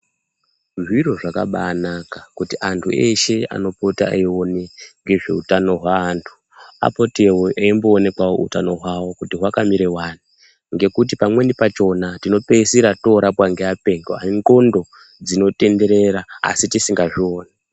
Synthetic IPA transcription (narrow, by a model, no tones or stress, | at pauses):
ʐiro̞ʐakaɓa̰ːnakakutiʔantʰṵʔe̞ʃe̞a̰no̞potaa̰io̞neŋɡe̞ʐe̞̰utano̞ɦwaːntʰu̥ | a̰po̞tewoʔeimboːne̞kwawo̰ṵtano̞ɦwawo̞kutiɦwakamiɾe̞waːni | ŋɡe̞kut̬ipamwe̞nipat͡ʃo̞natino̞pe̞siɾato̞ɾapwaŋɡeape̞ŋɡoaiŋɡo̞ndo̞ | d͡zino̞te̞nde̞ɾe̞ɾaa̰sitisiŋɡaʐioːne